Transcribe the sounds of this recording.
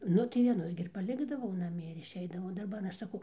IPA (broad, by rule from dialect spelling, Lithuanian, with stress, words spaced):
ˈnʊ tɐɪ ʋʲiɛˈnʊs ɡʲɪ ɪr pɐˈlʲɪɡdɐʋɐʊ nɐˈmʲiɛ ɪr ɪʃʲˈɛɪdɐʋɐʊ dɐrˈbɐn ˈɐʃ sɐˈkɐʊ